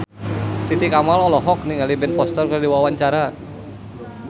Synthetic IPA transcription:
t̪it̪ikamalɔlɔɦɔk̚niŋalibɛnfɔst̪ɔrkərdiwawaɲt͡ʃaɾa

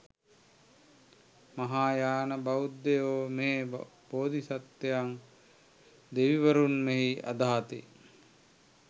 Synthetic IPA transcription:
maɦaːjaːnəbaud̪ːejoːmeːb̥oːd̪isat̪ːejaŋ | d̪eʋiʋəɾunmeɦia̰d̪aːt̪e

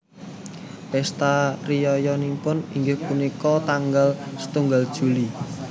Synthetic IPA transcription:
ɛst̪arijɔjɔnimpʊniŋɡehpunikɔt̪aŋɡalsə̥t̪uŋɡald̥ʒ̥ṳli

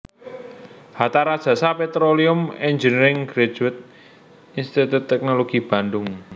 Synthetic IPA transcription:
hat̪aɾad̥ʒ̥a̤sapet̪ɾoliʊmɛɲd͡ʒənəɾɪŋɡ̥ɾe̥ʒ̥wɪt̪̚ | inst̪it̪ut̪ːɛk̚noloɡ̥ib̥a̤nd̪ʊŋ

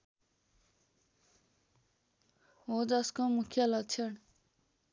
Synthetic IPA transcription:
ɦod͡zʌskomukʰjʌlʌɡ̚t͡sʰʌɳ

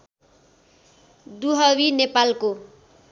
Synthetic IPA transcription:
d̪uɦʌwinepalko

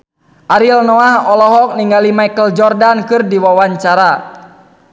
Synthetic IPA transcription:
ʔaɾilnɔahɔlɔɦɔk̚niŋɡalimaikəld͡ʒɔrdankɨrdiwawaɲt͡ʃaɾa

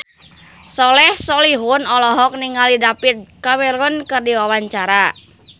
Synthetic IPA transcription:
sɔlɛhsɔliɦʊnɔlɔɦɔk̚niŋalidapit̪̚kawɛɾunkɨrdiwawaɲt͡ʃaɾa

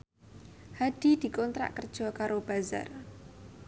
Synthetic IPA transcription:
had̥i̤d̪̥i̤kɔnt̪ɾa̰ʔkərd̥ʒ̥ɔ̤kaɾob̥a̤za̰r

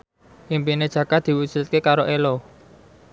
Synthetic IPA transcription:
ʔimpined̥ʒ̥ä̤ɡ̥ad̪̥i̤wusut̪̚kekaɾoʔelo

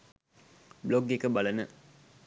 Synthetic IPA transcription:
bloɡekəbalənə

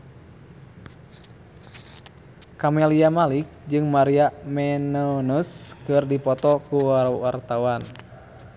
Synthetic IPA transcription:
kamɛliamalik̚d͡ʒɨŋmaɾiamɛnɔnuskɨrdipɔt̪ɔkuwaɾuwart̪awan

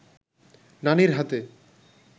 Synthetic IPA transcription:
naniɾɦat̪e

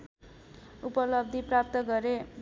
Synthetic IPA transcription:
upʌlʌb̚d̪ʱiprap̚t̪ʌɡʌɾeb

